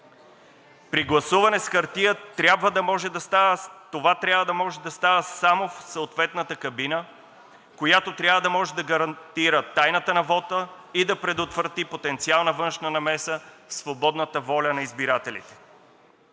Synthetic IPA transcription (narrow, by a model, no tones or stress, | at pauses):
pɾiɡlˠɐsuvɐnɛsxɐɾt̪iət̪ɾʲabvəd̪ɐmɔʒɛd̪ɐst̪avət̪ovat̪ɾʲabvəd̪ɐmɔʒɛd̪ɐst̪avəsamofsɐot̪vɛt̪nət̪əkɐbinə | kojat̪ot̪ɾʲjabvəd̪ɐmɔʒɛd̪ɐɡɐɾɐnt̪iɾət̪ajnət̪ənɐvɔt̪ə | id̪ɐpɾɛd̪ot̪vɾɐt̪ipot̪ɛnt̪sialˠnəvɤnʃnənɐmɛsəfsvobɔd̪nət̪əvɔlʲənɐizbiɾat̪ɛlʲḭt̪ɛ̥